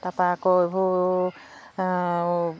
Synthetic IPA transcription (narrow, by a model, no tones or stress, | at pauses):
tapakɔbo